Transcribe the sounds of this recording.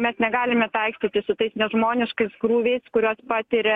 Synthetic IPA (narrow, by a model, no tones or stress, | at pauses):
mʲɛsnʲɛɡɑːlʲɪmʲɛt̪ɐɪksʲt̪ʲiːt̪ʲɪsʊt̪ɐɪsnʲɛʒmoːnʲɪʃkɐɪskɾuːʋʲɛɪskʊɾʲoːspɑːt̪ʲiɾʲɛ